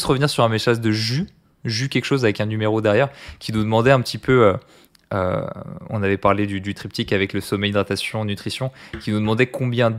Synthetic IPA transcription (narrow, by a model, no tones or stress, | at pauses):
sʁəvniʁsyʁɛ̃meʃazd̪əʒy | ʒykʲɛkʃozavɛkɛ̃nymeʁod̪ɛʁjɛʁkʲinud̪əmɑ̃d̪ɛɛ̃pət̪ipøø | ø̰ɔ̰̃navɛpaʁled̪yd̪yt̪χip̚t̪ikavɛkləsɔmɛjd̪ʁat̪asjɔ̃nyt̪χisjɔ̃kʲinud̪əmɑ̃d̪ɛkʰɔ̃bjɛ̃d̪